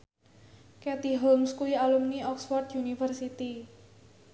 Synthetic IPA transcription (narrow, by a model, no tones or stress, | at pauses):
kɛt̪iɦɔlmskuialumniɔksfɔrt̪junifərsit̪i